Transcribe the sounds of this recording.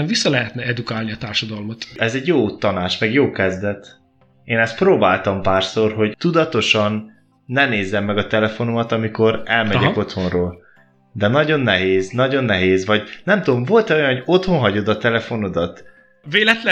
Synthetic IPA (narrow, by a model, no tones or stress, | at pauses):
visːɒlɛɦɛt̪nɛɛd̪ukaːlniɒt̪aːrʃɒd̪ɒlmot̪ɛzɛɟjoːt̪ɒnaːt͡ʃmɛɡjoːkɛzd̪ɛt̪ | eːnɛst̪̚proːbaːlt̪ɒmpaːrso̞rɦo̞ɟt̪ud̪ɒt̪o̞ʃɒnː | ɛneːzːɛmːɛɡɒt̪ɛlɛfo̞nomɒt̪ɒmiko̞ɾɛlmɛɟɛko̞t̪ho̞nroːl | d̪ɛnɒɟo̞nːɛɦeːznɒɟo̞nːɛɦeːzvɒɟnɛmt̪ud̪omvo̞lt̪ɛojɒnhoɟo̞t̪ho̞nɦɒɟo̞d̪ɒt̪ɛlɛfo̞no̞d̪ɒt̪ | veːlɛt̪l